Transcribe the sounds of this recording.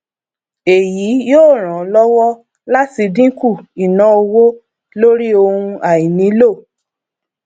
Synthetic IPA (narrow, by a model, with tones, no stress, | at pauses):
e˨ji˨˦joː˦˨ɾ̃ã˨˦lɔ˦wɔ˦ | la˦ti˧dĩ˦ku˦˨i˨nã˧o˧wo˦ | lo˦ɾi˦o˧hũ˧a˨ji˨nĩ˨˦lo˦˨